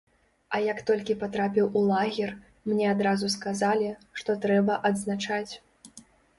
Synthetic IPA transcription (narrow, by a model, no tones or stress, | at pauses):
ɐjakt̪ɔlʲkʲipat̪ɾapʲiwulˠaɣʲɛr | mnʲɛad̪ɾazuskazalʲiʂt̪ɔt̪ɾɛbɐʔɐd̪znat͡ʂat͡sʲ